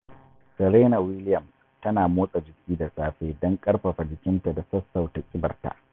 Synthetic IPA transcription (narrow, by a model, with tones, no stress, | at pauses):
sɐ˨ɾeː˦na˨wɪ˦lɪ˦jɐ˨m | tɐ˦naː˨moː˦sʼa˨d͡ʒɪ˨kʲiː˦da˨saː˦ɸeː˦dɔ˦ŋkʼɐ˦rɸɐ˨ɸa˨d͡ʒɪ˨kʲɪ˦nta˨da˨sɐ˦sːa˨wta˨kʲʼɪ˦bɐ̰˨rta̰˨ʔ